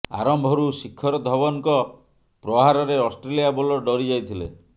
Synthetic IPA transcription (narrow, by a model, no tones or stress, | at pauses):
a̰ɾɔmbʱɔɾusikʰːɔɾɔd̪ʱɔbɔnkɔ | pɾɔɦaɾɔɾeɔsʈɾelijabɔlɔɖɔɾid͡ʒajt̪ʰilḛ